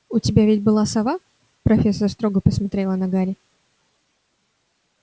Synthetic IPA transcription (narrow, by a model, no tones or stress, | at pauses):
ʊtʲɪbʲavʲɪtʲbɨlˠasɐva | pɾɐfʲesːərst̪ɾoɡəpəsmɐt̪ɾʲelˠənɐɡaɾʲɪ